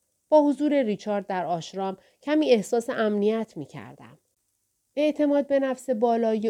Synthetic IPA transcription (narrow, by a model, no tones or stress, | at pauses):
b̥ɒːhozuːɾe̞ɾiːt͡ʃʰɒːɾd̪̚ːæɾɒːʃɾɒːm | cʰæmiːe̞hsɒːse̞ʔæmnijæt̪ʰmiːcʰæ̰ɾd̪̥æ̰m | e̞ʔt̪ʰe̞mɒːd̪̚be̞næfse̞bɒːlɒːje